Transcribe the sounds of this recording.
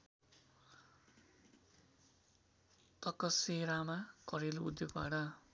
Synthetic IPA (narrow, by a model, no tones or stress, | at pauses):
t̪ʌkʌseɾamakʌɾeluud̪joɡba̰ɽʌ